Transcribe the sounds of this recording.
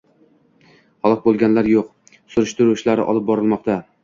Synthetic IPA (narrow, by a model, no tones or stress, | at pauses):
hɒlˠɨq̚bolˠɡʲanlaɾjoq̚ | sʊɾʊʃt̪ɪɾʊt͡ʃlaɾɪ̰ʔɒ̰lˠɪp̚bɒɾɪlˠmɒqt̪ʰa